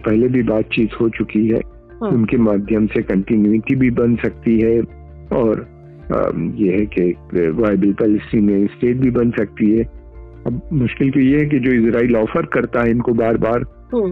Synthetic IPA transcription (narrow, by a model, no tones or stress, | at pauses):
pɛɦlebʱibaːt̪̚t͡ʃiːt̪hot͡ʃʊkiɦɛ̰ː | ʊnkemaːd̪ʱjəmsekɐ̃ɳʈɪnjuɪʈibʱibɐnsɐk̚t̪iɦɛ | ɔːɾ̰ | jeɦɛkekʋaːjbəlpɛlɪsimẽsʈeːʈ̚bʱibɐnsɐk̚t̪iɦɛː | ɐbmʊʃkɪlt̪ojeɦɛk̬ed͡ʒoːɪzɾaːilɔːfəɾkɐɾt̪aɦɛɪnkobaːɾbaːɾ